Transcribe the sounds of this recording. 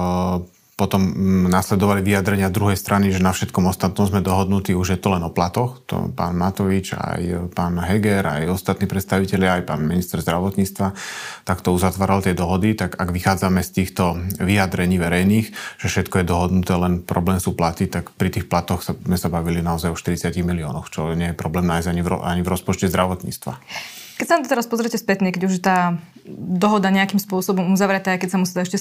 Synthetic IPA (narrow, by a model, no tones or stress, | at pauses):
pɔt̪ɔmnaːslɛd̪ɔʋaliʋijad̪ɾɛɲɪazd̪ɾuɦɛjst̪ɾʔaniʒɛnafʃɛt̪kɔmɔst̪at̪nɔʊzmɛd̪ɔɦɔd̪nut̪iːuʒjɛt̪ɔlɛnɔplat̪ɔxt̪ɔ̰pa̰ːnmat̪ɔʋit͡ʃa̰jpaːnɦɛɡɛɾa̰jɔst̪at̪niːpɾɛt̪st̪aʋicɛʎɪaajpa̰ːnminist̪ɛɾzd̪ɾaʋɔt̪ɲiːt͡st̪ʋat̪akt̪ɔuzat̪ʋaːɾalt̪ɪɛd̪ɔɦɔd̪it̪aɡaɡʋixaːd͡zamɛst̪iːxt̪ɔʋijad̪ɾɛɲiːʋɛɾɛjniːxʒ̥ɛfʃɛt̪kɔjɛd̪ɔɦɔd̪nut̪ɛːlɛnpɾɔblɛːmsuːplat̪it̪akpɾit̪iːxplat̪ɔxsazmɛsabaʋilinaɔzajɔʃt̪iɾit͡sɪaciɣmiliɔ̰ːnɔxt͡ʃɔɲɪɛjɛpɾɔblɛːmnaːjzɟaɲivɾɔ̰a̰ɲivɾɔspɔt͡ʃcɛzd̪ɾaʋɔt̪ɲḭːt͡st̪ʋa̰ | kɛcsanad̪ɔt̪ɛɾaspɔzɾɛcɛspɛt̪ɲɛkɛɟuʒt̪aː | d̪ɔɦɔd̪aɲɛakimspʊɔsɔbɔmuzaʋɾɛt̪aːjkɛcsamusiːɛɛʃcɛ